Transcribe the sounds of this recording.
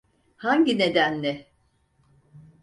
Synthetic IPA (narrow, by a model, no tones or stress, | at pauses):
haɲɟine̞d̪ænlʲɛ